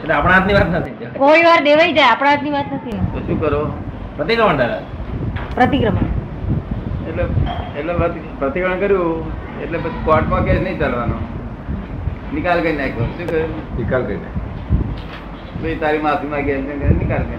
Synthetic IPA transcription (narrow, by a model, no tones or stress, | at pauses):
eʈleapɽ̃ãːat̪niʋat̪nət̪ʰiakoiʋaɾd̪eʋaid͡ʒaeapɽ̃ãːt̪niʋat̪nət̪ʰit̪oʃũːkəɾo | pɾət̪ikɾəməɳɖaɾa | pɾət̪ikɾəma | eʈleeʈlepət̪ | pɾət̪ikɾəɳkəɾjũ | eʈlepət͡ʃʰi̥kɔʈmãɡɛsnəĩt͡ʃalʋano | nɪkalkəinakoʃũːkəonikalkəɾina̰ | beit̪aɾimãp̪ʰimãɡɛsnẽenikalkə